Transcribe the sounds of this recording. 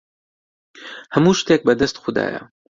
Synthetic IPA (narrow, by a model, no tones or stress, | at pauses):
hɐmuːʃt̪ek̚bɐd̪ɐst̪xʊd̪a̰ːjɐ̰